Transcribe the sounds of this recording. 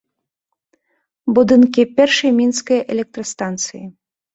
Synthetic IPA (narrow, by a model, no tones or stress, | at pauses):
bud̪ɨnkʲipʲɛrʂɐjmʲinskɐjʔɛlʲɛk̚t̪ɾɐst̪ant̪sɨji